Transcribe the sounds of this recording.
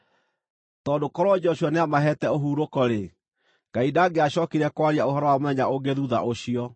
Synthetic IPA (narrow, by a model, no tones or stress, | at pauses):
tɔdokɔɾwɔd͡ʒɔɕwɔneamaɦɛtɛoɦuːɾokɔɾe | ɡ̥aidaːɡeaɕɔkiɾɛkwaɾiaohɔɾɔwamoɛɲaoɡeðuða̰ʔoɕiɔ